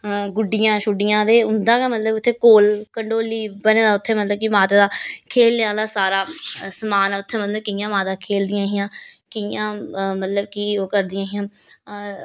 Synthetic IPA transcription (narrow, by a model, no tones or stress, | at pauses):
ɡʊɖːɪjãːʃʊɖɪjãːd̪eːʊnd̪ãːkamət̪ləbʊt̪ʰːeːkoːlkəɳɖoːliːbəneːd̪aːʊt̪ʰːẽːmət̪ləbkimaːt̪aːd̪aːkʰeːlneːaːlaːsaːɾaːsəmaːnaːʊt̪ʰːẽːmət̪ləbkɪjãːmaːt̪aːkʰeːld̪ɪjãːɦɪjãː | kɪjãːmət̪ləbkiːoːkəɾd̪ɪjãːɦɪjãː